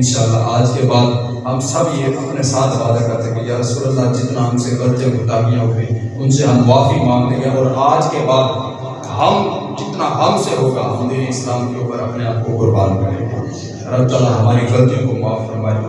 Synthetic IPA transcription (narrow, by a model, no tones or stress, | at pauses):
nʃaːlːaaːd͡ʒkebaːd̪ | ɦəmsəbjeʔɐpnesaːt̪ʰʋaːd̪akɐɾsəked͡ʒaɐsuːɾət̪lad͡ʒɪt̪naɦɐmseɡəlt̪jẽɡʱʊt̪aɦijãɦokiʊnseɦɐmʋaːfimãːŋleɡjaɔːɾaːd͡ʒkebaːd̪ | ɦəm | kɪt̪naɦɐmseɦoːɡaɦɐmd̪iːɾeɪslaːmkeuːpəɾɐpneaːp̚koʊpəɾbaːɾmelḛɡa̰ | ɾəbt̪alaɦɐmaːɾiɡəlt̪ijõkomʊaːfɦəmaːɾi